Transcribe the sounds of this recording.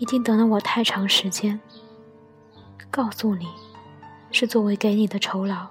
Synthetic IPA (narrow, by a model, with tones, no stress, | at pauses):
i˧˥t̪i˥˧ŋt̪ɤ˧˥lə˧wɔ˨˩t̪ʰa˥˩ɪʈ͡ʂʰɑ˧˥ŋʂɻ̩˧˥t͡ɕjɛ˥n | kɑ˥˧ʊsu˥˩ni˨˩˦ | ʂɻ̩˥˧t͡swɔ˥˩we˧˥ɪke˧˥ɪni˨˩d̪ə˦ʈ͡ʂʰo˧˥ʊlɑ˧˥˦ʊ